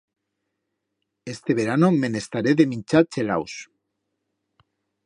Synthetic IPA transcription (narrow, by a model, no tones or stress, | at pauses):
est̪eβeɾanomenest̪aɾeðemint͡ʃat͡ʃela̰ws